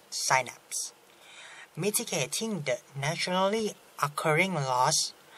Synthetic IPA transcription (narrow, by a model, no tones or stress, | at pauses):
saɪna̰ps | mitiɡetʰɪ̃ŋdənæʃɔnəli | ʔɔkʰəɹɪ̃ŋlɔs